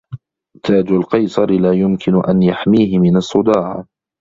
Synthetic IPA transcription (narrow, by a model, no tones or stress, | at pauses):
t̪ʰaːd͡ʒʊlqɑjsˤɑɾɪlaːjʊmkʰɪnʊʔa̰njaħmiːhɪmɪnɑsˤːʊd̪ɑːʕ